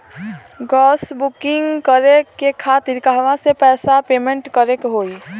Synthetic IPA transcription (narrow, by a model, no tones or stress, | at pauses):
ɡɔːsbukɪŋɡkəɾekekʰat̪iɾkaɦʋãsepɛːsapemẽɳʈkəɾekɦoi